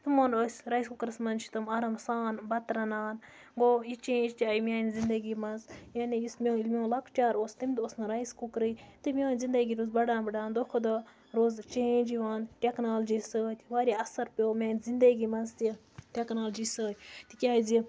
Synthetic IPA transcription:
t̪ɨmonosʲɾɐjskukɾɨsmɐnt͡ʃʰi̥t̪ɨmɐɾɐmsaːnbɐt̪ɾɐnaːn | ɡoit͡ʃẽːd͡ʒt̪ʲiajmʲaːnʲzind̪ɐɡimɐnzjanijismʲoilmʲoːlɐkʰt͡ʃʲaːɾoːst̪imʲd̪osnɨɾɐjskukɾɨjt̪ɨmʲoːnʲzind̪ɐɡiːɾuzbɐɽãːnbɐɖaːnd̪oxʰod̪ɐ | ɾoːzt͡ʃed͡ʒiʋaːnʈʲeknaːld͡ʒiːsəːt̪ʲʋaːɾʲiɐsɐɾpʲoːmʲaːnzind̪ɐɡiːmɐnzt̪i | ʈʲeknaːld͡ʒisəːt̪ʲt̪ikʲaːjzi

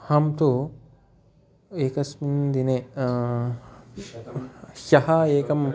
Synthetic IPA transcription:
hɐmt̪u | eːkɐsmind̪ine | ʃɐhɐeːkɐm

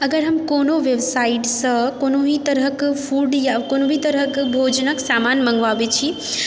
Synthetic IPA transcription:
ɐɡəɾɦɐmkonoʋeʋsaiʈsəkonoɦit̪əɾəkfʰuɖjakonobʱit̪əɾəkbʱod͡ʒnəksamanmə̃ŋɡʋaʋet͡ʃʰi

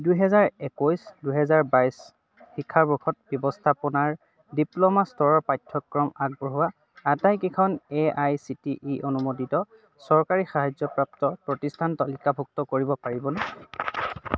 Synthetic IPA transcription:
dujɦɛzaɹɛkojsduɦɛzaɹbajs | bʰikʰːaɹbɔkʰɔt̚bjɔbɔstʰapɔnaɹ | diplɔmastɔɹɔɹpajtʰːɔkːɹɔmaɡ̚bɔɦuwaː | tajkikʰɔneajsitiʔiʔonumoditɔ | sɔɹkaɹixaɦajzɔpɹap̚tɔpɹɔtistʰantɔlikabʱuk̚tɔkoɹibɔpaɹibɔnɛ

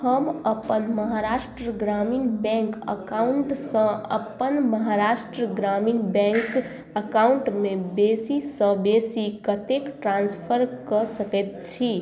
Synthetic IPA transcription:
həməpənməɦaɾasʈɾəɡɾaminbɛ̃ŋkə̰kauɳʈsə̃ə̰pːənməɦaɾasʈɾəɡɾaminbɛ̃ŋk | əkauɳʈmebesisə̃besikət̪ekʈɾãnspʰəɾkəsəkɛt̪̚t͡ʃʰi

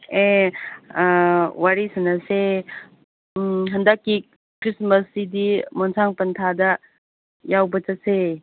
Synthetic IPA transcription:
e | waɾisɐnase | ɦɐndakːi | kɾisməsidimɔnsʰaŋpɐntʰadɐ | jawbɐt͡ʃase

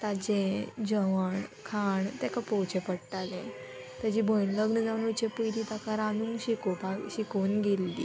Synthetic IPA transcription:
t̪ad͡ʑẽd͡ʑəʋəɳkʰaɳt̪ɛkapɔwt͡ɕɛpəɽʈalɛ̃ | t̪əd͡ʑibʱənləɡnəd͡zaʋnut͡ɕẽpəjɾit̪akaɾanuːŋɡɕikopaɡɕikonɡelːḭ

